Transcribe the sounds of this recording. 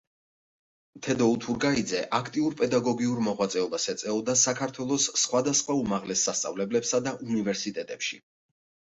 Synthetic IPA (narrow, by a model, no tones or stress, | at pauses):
mt̪ʰɛd̪ɔut̪ʰuɾɡaid̪zɛʔakʰt̪ʼiuɾpʼɛd̪aɡɔɡiuɾmɔʁwat̪sʼɛɔbasɛt̪sʼɛɔd̪asakʰaɾt̪ʰwɛlˠɔsːχwad̪asχwaumaʁlɛsːast̪sʼa̰vlɛblɛpsad̪aʔunivɛɾsit̪ʼɛt̪ʼɛpʃi